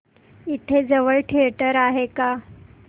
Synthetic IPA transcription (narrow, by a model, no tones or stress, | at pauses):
it̪ʰed͡zəʋəɭʈʰiʈəɾaɦeka